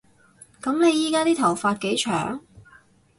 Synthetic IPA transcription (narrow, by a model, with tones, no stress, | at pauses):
kɐ˨˥mne˨˧jiː˨˥kaː˥t̪iː˥t̪ʰɐ˨˩wfaː˧t̚ke˨˥jt͡ʃʰœː˨˩ŋ